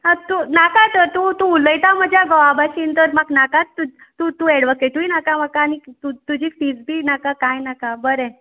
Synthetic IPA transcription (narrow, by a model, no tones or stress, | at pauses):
ɦat̪unakat̪əɾt̪ut̪uːləjt̪aməd͡ʑʱjaɡəʋabʱaɕiːnt̪əɾmaknakatːu | t̪ut̪uɛɽʋɔkeʈuinakamakaːñit̪ut̪ud͡ʑʱiːkfid͡zbʱinakakajnakabəɾɛ